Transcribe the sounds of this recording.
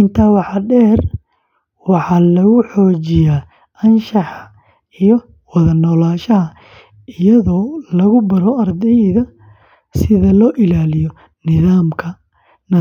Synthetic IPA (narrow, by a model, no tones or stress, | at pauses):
ɪnt̪ʰaːwɑħɑɖɛːr | wɑħɑːlɐɣʊħɔːt͡ʃɪjaː | ɐnʃɑħɑ | ijɔ | wɑðɐnɔːlaːʃɐɦɐ | ɪjɐðɔːlɐɣʊbɐɾɔɐrd̪ɛjðɐ | sɪðɐlɔːʔɪlaːlɪjɔ | nɪðaːmkʰɐ | nɐ